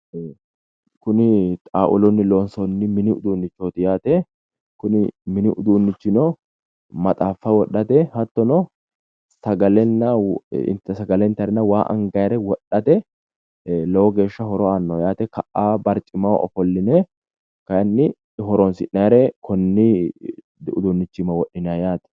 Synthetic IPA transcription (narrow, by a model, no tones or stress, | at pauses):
kʊnɪt̪ʼaːʔʊlɔnːɪloːnsɔnːɪmɪnɪʊd̪uːnːɪt͡ʃːoːt̪ɪjaːt̪ɛ | kʊnɪmɪnɪʔʊd̪uːnːɪt͡ʃːɪnɔ | mɐt̪ʼaːfːɐwɔɗɐt̪ɛhɐt̪ːɔnɔ | sɐɡɐlɛnːɐ̰t̪sɐɡɐlɛnt̪ɐɾɛnɐwaːʔɐ̰ŋɡɐjɾɛwɔɗːɐt̪ɛ | lɔwɔɡe̞ːʃːɐɦɔɾɔaːnːɔjaːt̪ɛkɐʔaːbɐɾt͡ʃʼɪmɐwɔ̰fɔlːɪnɛ | kɐjɐnːɪ | ɦɔɾɔnsɪ̰ʔɐjɾɛkʰɔnːɪ | ʊ̰d̪unːɪt͡ʃːɪmɐwɔɗːɪnajaːt̪ɛ̥